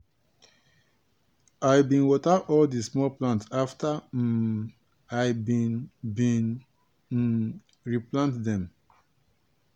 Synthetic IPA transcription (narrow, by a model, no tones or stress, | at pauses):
ajbĩnwɔtaɔldismɔlplãntsafta | abĩnbĩn | ɹiplãntdɛ̃m